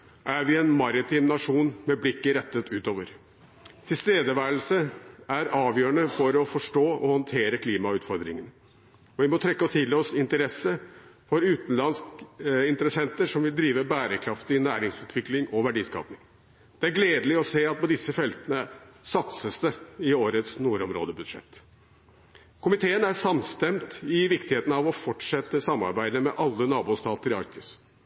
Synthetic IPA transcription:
ʔæɾʋɪɛnmɑɾɪt̪ʰiːmnɑʂuːnmɛblɪkːəɾɛt̪ːət̪ʉːt̪oːʋəɾ | t̪ʰɪlst̪eːd̪əʋæːlsəæɾɑːʋjøːəɳəfɔɾɔfɔʂʈoːɔhɔnt̪ʰeːɾəkʰliːmɑʉːt̪fɔɾd̪ɾɪŋənə | ɔʋɪmɔt̪ʰɾɛkːəɔt̪ʰɪlːɔsɪnt̪əɾɛsːəfɔɾʉːt̪n̩lɑnskɪnt̪əɾəsɛnt̪əʂɔmʋɪld̪ɾiːʋəbæːɾəkʰɾɑft̪ɪnæːɾɪŋsʉːt̪ʰʋɪklɪŋɔʋæɖiːskɑ̰ːpnɪŋ | d̪̥ɛæɾɡleːd̪əlɪɔseːɑt̪̚pɔd̪ɪsːəfɛlt̪ənəsɑt̪səst̪əɪoːɾət̪snuːɾɔmɾo̰ːd̪əbʉd̪ʂɛ̰t̪ː | kʰʊmɪt̪ʰeːənæʂɑmst̪ɛmt̪ɪʋɪkt̪ɪheːt̪n̩ɑʋɔfɔʈʂɛt̪ːəsɑmːɑ̰ɾbæɪd̪əmɛʔɑlːənɑːbuːst̪ʰɑːt̪əɾɪɑ̰ɾk̚t̪ʰɪs

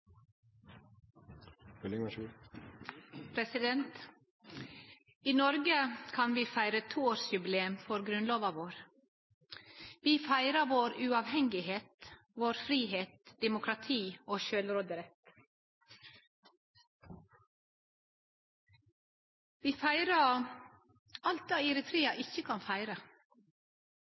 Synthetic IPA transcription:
hœlɪŋməʃʉ | pʰɾɛsɪd̪ɛnt̪ | iːnɔɾɡəkʰɑnʋiːfæɪɾət̪ʰuːoːɾsjʉbleːmfɔɾɡɾʉnloːʋɑʋoːɾ | ʋiːfæɪɾəʋoːɾʉɑʋhɛŋɡɪheːt̪ | ʋoːɾfɾiːheːt̪̚d̪̥ɛmʊkʰɾɑt̪ʰiːoːʃøːlɾoːd̪əɾɛt̪ | ʋiːfæɪɾə | ɑlt̪æːɪɾət̪ʰɾiːɑʔɪçəkʰɑnfæɪɾə

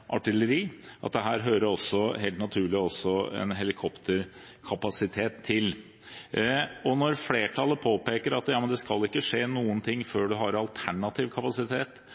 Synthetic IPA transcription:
ʔɑ̰ʈɪləɾiːʔɑ̰t̪̚d̪ɛɦæːɾɦøːɾəɔsːɔɦeːlt̪nɑt̪ʰʉːɭɪɔsːɔɛ̰nɦɛlɪkʰɔpt̪əɾ | kʰɑpɑsɪt̪ʰeːt̪ʰːɪl | ɔnɔɾfleːʈʰɑlːəpʰoːpeːkəɾɑt̪jɑːmənd̪ɛskɑlːɪkːəʂeːnuːənt̪ʰɪŋːføːɖʉɦɑɾɑlt̪ʰæɳɑt̪ʰiːʋkʰɑpɑsɪt̪ʰeːt̪

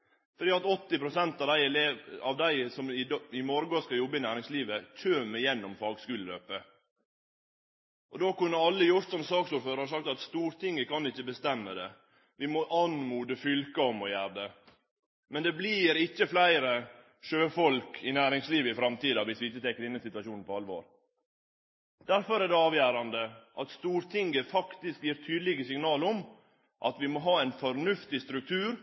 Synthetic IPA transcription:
fɔɖ̪iːɑt̪ɔt̪ːɪpɾʊsɛnt̪ɑʋd̪æɪleɑʋd̪æɪsɔmɪɪmɔɾɡɔskɑjɔbːəɪnæːɾɪŋsliːʋəc͡çʰøːmɪjɛnːɔmfɑːɡskʉːləlø̰ːpə | ʔɔd̪oːkʉnːəɾɑlːəjʊɾt̪sɔmsɑːksuːɾføːɾəʂ̬ɑk̚t̪ɑt̪st̪uːɾt̪ʰɪŋːəkɑnɪçːəbəst̪ɛmːəd̪ɛ | ʋɪmɔʔɑnmuːd̪əfʏlkəɔmɔjæːɾd̪ɛ | mɛnd̪ɛbliːɾɪçːəflæɪɾə | ʃøːfɔlkʰɪnæːɾɪŋsliːʋəɪfɾɑmt̪iːd̪ɑʋɪsʋɪɪçːət̪ʰɛkːɾɪnːəsɪt̪ʉʋɑʂuːnn̩pɔɑlʋo̰ːɾ | d̪̥æɾfɔɾæːɖɛɑːʋjæːɾɑnd̪əʔɑt̪st̪uːɾt̪ʰɪŋɡəfɑkt̪ɪskjiːɾt̪ʰyːd̪əlɪɡəsɪŋnɑːlɔm | ʔɑ̰t̪ʋɪmoɦɑːæɪnfɔɾnʉft̪ɪst̪ɾʉk̚t̪ʰʉːɾ

